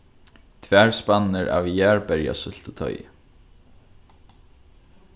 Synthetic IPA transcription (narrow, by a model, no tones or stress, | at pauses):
t̪ʰvæːɹspanːɪɾa̰ːvjæːɹpɛɹja̰sʏl̥t̪ət̪ʰœ̰ʏɪ̰